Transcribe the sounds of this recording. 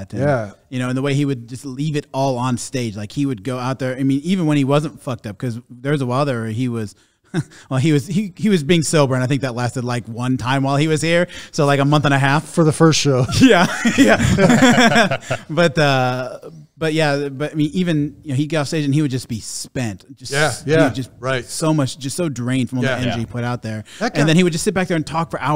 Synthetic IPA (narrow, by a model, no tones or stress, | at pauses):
ɾɨ̃næjɨnoʊɨ̃nðəweɪiwɨd̚d͡ʒʌstˡlivɨɾɔlˠə̃n̩steɪd͡ʒlaɪkhiwɨd̚ɡoʊaʊt̪̚ðə˞aɪmĩnivɨ̃nwə̃ñiwʌzə̃ntfʌk̚tʌp̚kʰʌzðə˞wʌzəwaɪlˠðə˞əiwʌz̥ | wɛlˠiwʌzhihiwʌzbiɪ̃ŋsoʊbə˞ɨ̃naɪθɪ̃ŋk̚ðɨtˡlæstɨdˡlaɪkwʌ̃ntʰãɪ̃mwaɪlˠiwʌz̥hiɹsoʊlaɪkəmʌ̃nθə̃ñɨɦæffə˞ðəfɜ˞stʃoʊjæjæ | b̥ʌtʌ | b̥ʌt̚jæbʌɾaɪmĩnivɨ̃njɨnoʊhiɡɛɾɔfsteɪʒɨ̃n̩iwɨd̚d͡ʒʌsb̥ispɛ̃ntd̥ʒ̥ʌsjæjhæiwɨdd͡ʒʌs̚ɹaɪtsoʊmʌt͡ʃd̥ʒ̥ʌstsoʊdɹẽɪ̃nd̥fɹʌ̃mðɛ̃nd͡ʒipʰʊɾaʊt̪̚ðə˞ɨ̃nðɨ̃ñiwɨd̚d͡ʒʌstsɪt̚b̥æk̚ðə˞ɨ̃ntʰɔkfə˞ʔaʊ